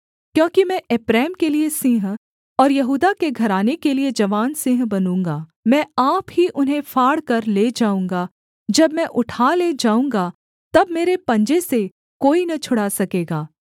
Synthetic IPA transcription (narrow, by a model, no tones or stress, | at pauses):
kjõːkimɛ̃ʔeːpɾɛːmkeliesɪ̃ɦ | ɔːɾjɐɦuːd̪akeɡʱɐɾaːnekelied͡ʒɐʋaːnsɪ̃ɦbɐnũːŋɡaːmɛ̃ːaːpɦiʔʊnɦẽfʰaːɽkɐɾleːd͡ʒaːũːŋɡa | d͡ʒɐbmɛ̃ʔʊʈʰaːled͡ʒaːũːŋɡa | t̪ɐbmeːɾepɐ̃ɲd͡ʒese | koːinɐt͡ʃʰʊɽasɐkeːɡaː